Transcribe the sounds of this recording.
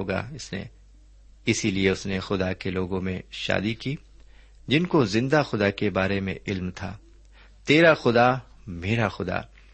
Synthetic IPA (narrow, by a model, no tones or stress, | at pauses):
oːɡa̰ɪsnḛ | ɪsilieʊsnexʊd̪akeloːɡõmẽʃa̰ːd̪ikiː | d͡ʒɪnkozɪ̃nd̪axʊd̪akebaːɾemḛ̃ʔɪlmt̪ʰa̰ː | t̪eːɾaxʊd̪a | meːɾaxʊd̪a̰ː